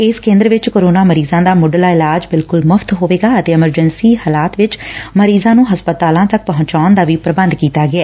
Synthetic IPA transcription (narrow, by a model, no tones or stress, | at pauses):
ɪskẽːnd̪əɾʋɪt͡ʃkoːɾoːnaːməɾiːzãːd̪aːmʊɖəlaːɪlaːd͡ʒbɪlkʊlməfʰt̪ɦoːʋeːɡaːət̪eːɪməɾd͡ʒənsiːhaːlaːt̪ʋɪt͡ʃməɾiːzãːnũːɦəspət̪aːlãːt̪ək̚pəɦʊ̃ɲt͡ʃaːʊnd̪aːʋiːpɾəbə̃nd̪kiːt̪aːɡɪɛː